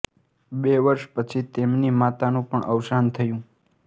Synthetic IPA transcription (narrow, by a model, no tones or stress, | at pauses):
beʋəɾʃpət͡ʃʰit̪emnimat̪anũpəɳʔəwʃant̪ʰəjũ